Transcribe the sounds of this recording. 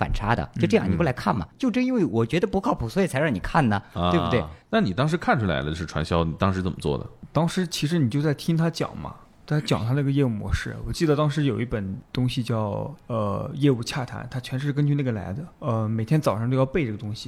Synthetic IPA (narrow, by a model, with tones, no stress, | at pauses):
fa̰˨˩nʈ͡ʂʰa˧˥d̪ə̰˧t͡ɕʊʈ͡ʂɤ˥˧jɑ˥˧ŋni˨˩pla˧˥kʰa̰˥˩nmɐ̰˩t͡ɕjo˥˧ʊʈ͡ʂə˥i˥nwe˥˩ɪwɔ˨˩t͡ɕɥɛ˧˥d̪ə˧pu˧˥kʰɑ˥˩ʊpʰu˨˩swɔ˧˥i˨˩t͡sʰɻɑ˥˩ŋni˨˩kʰa˥˩nnə˩wbtwe˥˩na˥˩ni˨˩t̪ɑ˥ŋʂ̬ɻ̩˧˥kʰa˥˩nʈ͡ʂʰu˥la̰˧ɪlə˧˥˧ʂɻ̩˥˩ʈ͡ʂʰwa̰˧˥nɕjɑ˥ʊni˨˩t̪ɑ˥ŋʂɻ̩˧˥t͡sə˨˩mə˦t͡swɔ̰˥˩d̪ə̰˩t̪ɑ˥ŋʂɻ̩˧˥t͡ɕʰi˧˥ʂɻ̩˧˥ni˨˩t͡ɕjo˧ʊt͡sa˥˩ɪt̪ʰi˥ŋt̪ʰa˥t͡ɕjɑ̰˨˩ŋmɐ̰˦ | a˥t͡ɕjɑ˨˩ŋt̪ʰa˥na˥˩ɡə˩jɛ˥˧u˥˩mwɔ̰˧˥ʂɻ̩˥˩wɔ˨˩t͡ɕi˥˩d̪ə˩t̪ɑ˥ŋʂ̬ɻ̩˧˥jo˨˩ʊi˥˩pə˨˩nt̪ʊ˥ŋɕi˧t͡ɕjɑ˥˩ʊə̰˧jɛ˥˧u˥˩t͡ɕʰja̰˥˩t̪ʰa̰˧˥nt̪ʰa˥t͡ɕʰɥɛ˧˥nʂɻ̩˧˥kə˥nt͡ɕʰy˥˧na˥˩ɡə˩la̰˧˥ɪd̪ə˧ə˧me˨˩ɪt̪ʰjɛ˥nt͡sɑ˨˩ɑ˥˧ŋt͡ɕjo˥˧ʊjpe˥˧ɪʈ͡ʂɤ˥˩ɡə˩ʊ˥ŋɕi˨˩